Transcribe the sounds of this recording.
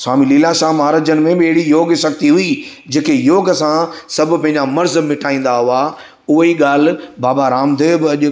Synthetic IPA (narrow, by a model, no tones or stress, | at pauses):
saːmiliːlaʃaːɦmaːɾaːd͡ʑənmẽbɪɐɦɪɽijoːɡʃɐɡ̚t̪iɦʊid͡ʑeːkejoːɡəsãsɐbʱʊpɐ̃ɦɪ̃ɲd͡ʑamɐɾzmɪʈʰaːĩːn̆d̪aɦʊa | ʊɦiɠaːl̤̆baːbaɾaːmd̪eːbɪɐʄʊ